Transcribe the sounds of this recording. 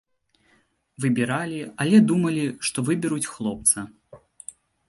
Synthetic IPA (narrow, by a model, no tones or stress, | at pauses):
vɨbʲɛɾalʲiɐlʲɛd̪umɐlʲiʂt̪ɔvɨbʲɛɾut͡sʲxlˠɔp̚t̪sɐ